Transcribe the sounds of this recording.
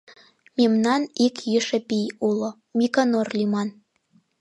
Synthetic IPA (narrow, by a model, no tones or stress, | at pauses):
memnɑnikjiʃĕpijulŏ | mʲikɑnorlʲimɑn